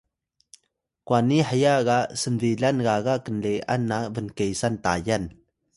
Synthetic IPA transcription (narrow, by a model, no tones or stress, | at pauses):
kwaniħəjaɣaʔsənviɮanɡaɣaʔkənlea̰nːavənkejsanta̰jan